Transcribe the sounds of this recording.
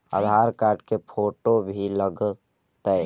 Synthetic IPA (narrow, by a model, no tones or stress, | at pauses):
ə̰d̪ʱaɾkaːɾʈkepʰoːʈobʱiləɡ | t̪ə